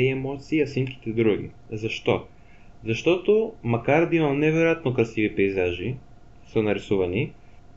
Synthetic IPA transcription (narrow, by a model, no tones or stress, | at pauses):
ɛmɔt̪siːɐsinki̥t̪ɛd̪ɾuɡḭ | zɐʃt̪ɔ | zɐʃt̪ɔt̪omɐkaɾd̪ɐimɐlˠnɛvɛɾojat̪nokɾɐsivipɛizaʒi | sənɐɾisuvɐni